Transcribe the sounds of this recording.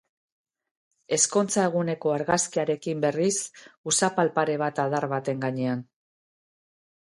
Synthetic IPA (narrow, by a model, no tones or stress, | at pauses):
e̞sko̞nt͡sae̞ɣ̞une̞ko̞aɾɣaskiaɾe̞kimbe̞risusapalpaɾe̞β̞at̪aðaɾβat̪e̞ŋɡaɲe̞an